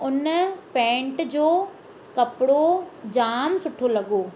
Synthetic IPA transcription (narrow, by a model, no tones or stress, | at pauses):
ʊnpɛ̃ːɳʈd͡ʑoː | kɐpɽod͡ʑaːmsʊʈʰolɐɡoː